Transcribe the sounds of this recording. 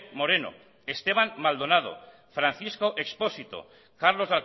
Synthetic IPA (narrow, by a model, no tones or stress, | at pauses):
mo̞ɾeno̞̰ | est̪e̞β̞anmald̪o̞naðo̞̰ | fɾanθisko̞ʔekspo̞sit̪o̰ | kaɾlo̞zðal